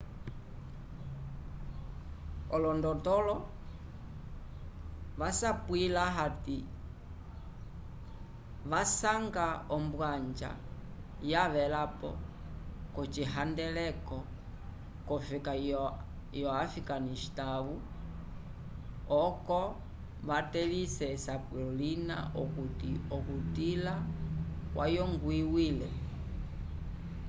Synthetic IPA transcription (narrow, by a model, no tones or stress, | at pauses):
ɔlɔndɔtɔlɔ | ʋasapwilaɦati | ʋasaŋɡaɔmbwaɲd͡ʒa̰ | jaʋɛlapɔ̰ | kɔt͡ʃiɦandɛlɛkɔ | kɔfika | jɔafikaniʃi̥taβu | ɔkɔ | βatɛlisɛsapɔlina̰ʔɔkutiɔkutila | wʔajɔŋɡwiwilɛ